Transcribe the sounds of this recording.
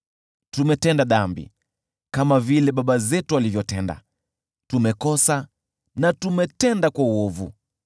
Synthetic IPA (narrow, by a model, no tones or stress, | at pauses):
tumɛtɛndaɗambḭ | kamavilɛɓaɓazɛtualivjɔtɛnda̰ | tumɛkɔsa | natumɛtɛndakwauɔvṵ